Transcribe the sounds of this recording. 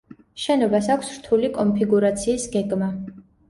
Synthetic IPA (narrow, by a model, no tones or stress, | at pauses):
ʃɛnɔbasakʷʰsɾt̪ʰulikʼɔmpʰiɡuɾat̪sʰiːsɡɛɡma